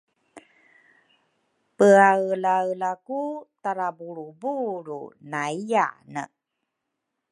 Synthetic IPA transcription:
pəaəlaəlakutaɾabuɾubuɾṵnaija̰nə̰

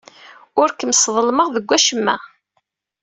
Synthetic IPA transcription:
ʊɾkəmsðˤəlməʁðəɡʷːæʃəmːæ

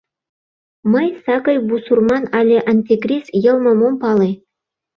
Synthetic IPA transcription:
mɤjsɑkɤjbusurmɑnɑlʲĕʔɑnʲt̪ʲikrʲisjɤ̆lˠmɤ̆mompɑlˠe

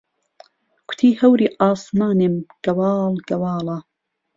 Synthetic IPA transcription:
kʰʷʊ̥t̪ʰiːhɐwɾiːʔɑːsmɑːnemɡ̥ɐwɑːlɡɐwɑːlɑ

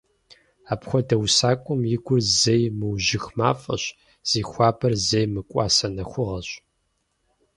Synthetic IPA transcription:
aːpxʷɔdɐwsaːkʷʼʊmjɪɡʷʊrzɐjmɨwʑɪxma̰ːfʼɐ̰ɕ | z̥iːxʷɑːpʰɐrzɐjmɨkʷʼɑ̰ːsɐnɐxʷʊʁɐɕʼ

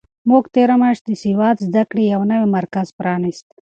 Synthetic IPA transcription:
moɡt̪eːɾamaʂd̪əsiwɑːt̪zd̪akɽijawnɐwimɐɾkazpɾɑːnist̪

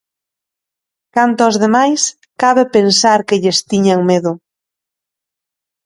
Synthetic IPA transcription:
kant̪ʊɔzðemajs | kaβepensaɾkɪʎɪst̪iɲaŋmeðʊ

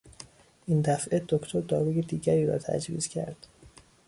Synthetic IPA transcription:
ʔind̪æfʔed̪okt̪ʰoɾd̪ɒːɾujed̪iːɟæɾiːɾɒ̰ːt̪ʰæ̰d͡ʒvḭːzcʰæ̰ɾd̪̥

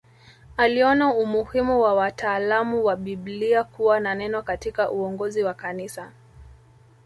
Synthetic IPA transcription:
aliɔnaumuhimuwawataːlamuwaɓiɓliakuwananɛnɔkatikaʔuɔŋɡɔziwakanisa

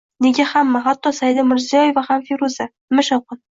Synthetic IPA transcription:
neɡʲahamːaɦat̪ːɒsajd̪amɪɾzɪjɒjevahamfeɾuza | mɪʃawqʊn

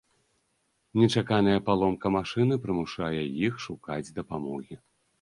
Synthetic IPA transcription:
nʲɛt͡ʂakanɐjɐpalˠɔmkɐmaʂɨn̪ɨpɾɨmuʂajɛjixʂukad͡zʲd̪ɐpamɔɣʲi

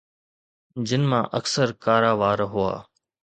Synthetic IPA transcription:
d͡ʑɪnmãːʔəksəɾkaːɾaːʋaːɾɦʊa̰ː

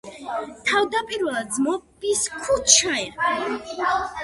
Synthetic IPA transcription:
t̪ʰavd̪apʼiɾvɛlˠad̪zmɔpiskʰut͡ʃʰaɛ

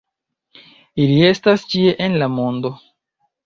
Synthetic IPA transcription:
ilie̞stast͡ʃie̞ʔenlamo̞ndo̞

